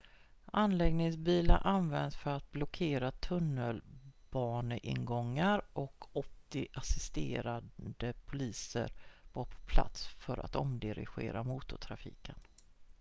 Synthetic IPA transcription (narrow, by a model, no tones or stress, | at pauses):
ʔanlɛɡnɪŋsbiːlaʔanvɛnd̪sfœɾat̪̚blɔkʰeːɾat̪ʰɵnːəlb̥ɑːnəʔɪ̰nɡɔŋːaɾʔɔkʰɔt̪ːɪʔasɪst̪ḛːɾad̪əpʰʊliːsə̰ɾvɑːɾpʰɔ̥pʰla̰t̪sfœɾa̰t̪ɔmd̪ɪɾɪ̰ɧḛːɾamuːt̪ʊʈ̪ʰɾafḭːkən